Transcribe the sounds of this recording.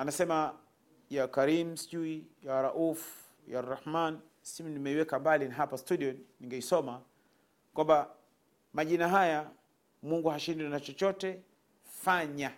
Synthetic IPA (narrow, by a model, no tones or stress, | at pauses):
anasɛma | jakaɾim̩si̥ʄuijawaɾaʔufu̥ | jarːahman | simunimɛiwɛkambalinaɦapastuɗiɔniŋɡɛisɔma | kwamba | maʄinaɦaja | muŋɡuhaʃindnat͡ʃɔt͡ʃɔtɛ | faɲa